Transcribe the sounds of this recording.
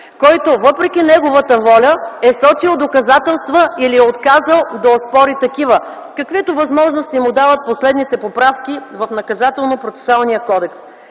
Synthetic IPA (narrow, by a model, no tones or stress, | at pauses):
kɔjt̪ovɤpɾɛkʲinɛɡovət̪əvɔlʲəɛsɔt͡ʃilˠd̪okɐzat̪ɛlˠst̪vəiliɛot̪kazəlˠd̪ɐospɔɾit̪ɐkivə | kɐkvɛt̪ovɐzmɔʒnost̪imud̪avət̪̚poslɛd̪nit̪ɛpopɾafk̟ʲivɐfnɐkɐzat̪ɛlˠnopɾot̪sɛ̥sʊalˠnijəkɔd̪ɛks